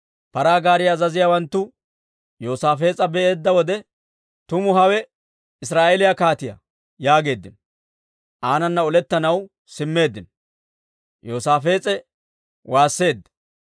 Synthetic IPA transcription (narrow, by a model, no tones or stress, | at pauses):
pɐɾaːɡaːɾɪjaːzɐzɪjawɐnt̪ːʊ | joːsaːfe̞ːt͡sʼɐbɛʔe̞ːd̪ːɐwɔd̪ɛ | t̪ʊmʊɦɐwɛ | ɪs̬ɾaːʔelɪjɐkaːt̪ɪjɐ̰ | jaːɡe̞ːd̪ːɪn | ʔaːnɐnːɐɔlɛt̪ːɐnɐw | sɪmːe̞ːd̪ːɪn | joːsaːfe̞ːt͡sʼɛ | waːsːe̞ːd̪ːɐ̥